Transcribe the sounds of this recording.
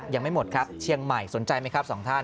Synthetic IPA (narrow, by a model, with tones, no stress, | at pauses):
jaː˨˩ŋma˥˩jmo˨˩t̪̚kʰa˦˥pp̚t͡ɕʰi˧əŋma˨˩jso˨˩˦nt͡ɕa˧jma˦˥jkʰa˦˥p̚sɔː˩˦ŋt̪ʰa˥˩n